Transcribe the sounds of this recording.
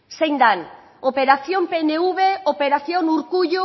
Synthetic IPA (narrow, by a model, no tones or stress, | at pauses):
sejnd̪an | opeɾaθjompeneuβeopeɾaθjoŋuɾkuʎo